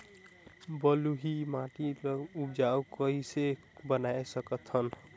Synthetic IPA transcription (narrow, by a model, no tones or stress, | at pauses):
bʌluɦimãʈiup̚d͡ʒaukʌɦise | bənaesəkət̪ɦən